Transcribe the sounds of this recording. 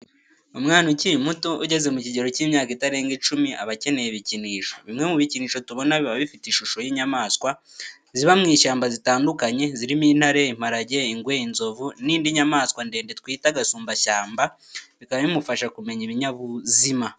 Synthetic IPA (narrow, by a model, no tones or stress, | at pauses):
umŋaːnucimutoʔṵɟe̞ze̞muciɟe̞ɾo̞ciːmɲaːkitaɾe̞ːŋɡit͡ʃumia̰βace̞ne̞jeβiciniːʃo̞βimŋe̞muβiciniːʃo̞tuβo̞naβiβaβifitiʃuʃo̞jiːɲamaːskwa | ziβamŋiːʃaːmbazitaːndukaɲe̞ziɾimiːn̥haɾe̞im̥aɾaɟe̞iŋɡweinzo̞vuniːndiɲamaːskwande̞ːndetkwiːtaɡasuːmbaʃaːmba | βikaβaβimufaʃakume̞ɲiβiɲaβuzima